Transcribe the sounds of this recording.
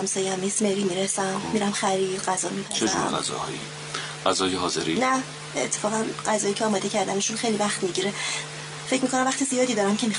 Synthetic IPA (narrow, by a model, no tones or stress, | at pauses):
msɒːjæmismeɾiːmiɾesæmːiɾæmxæɾiːd̪ɢæzɒːmiːpʰæt͡ʃʰed͡ʒṵɾʁa̰zɒ̰hɒ̰ːḭ | ɢæzɒːjeɦɒːzḛɾinæ | ḛt̪ʰːefɒːɣænɢæzɒːjiːcʰeɒːmɒːd̪e̞cʰæɾd̪æne̞ʃunxejlivæχt̪miɟiɾe | fe̞cʰmikʰonæmvæχt̪izijɒːd̪iːd̪ɒːɾæmcʰe̞mi